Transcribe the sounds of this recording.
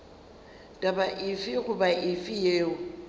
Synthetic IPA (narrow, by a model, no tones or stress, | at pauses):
tʼabaʔɪfɪɣʊbaʔɪfɪjeːʊ